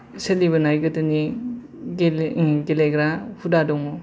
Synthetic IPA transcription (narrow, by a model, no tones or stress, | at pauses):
seliβɐnajɡɐtɯni | ɡeleɡɾahʰudadɔŋmo